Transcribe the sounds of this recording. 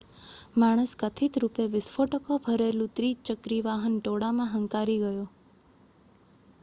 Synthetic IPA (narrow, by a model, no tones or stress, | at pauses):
maɽ̃əskət̪ʰit̪ɾupeʋɪsfoʈəkobʱəɾelũt̪ɾit͡ʃəkɾiʋaɦənʈoɽamãɦəŋkaɾiɡəjo